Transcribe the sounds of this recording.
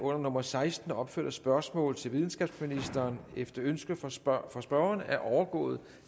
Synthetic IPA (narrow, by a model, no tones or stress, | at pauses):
ɔ̽n̰ɐnɔ̽mɐsɑ̈ɪsd̥n̩ɒ̽b̥fø̰ɐ̰dɐsb̥ɶɐsmɔ̰̽ːlð̩ˠt͡sʰe̝lʋið̞ˠn̩sɡ̥ɛb̥sminisd̥ɐːnefd̥ɐønsɡ̥əfɒsb̥ɶːɐnæɐʔɒʊɐɡ̥ɔ̰̽ːð̞̩ˠ